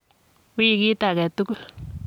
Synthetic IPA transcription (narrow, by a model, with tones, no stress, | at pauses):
wi˦˨ki˦ta˨kɛ˨tu˦ku˦l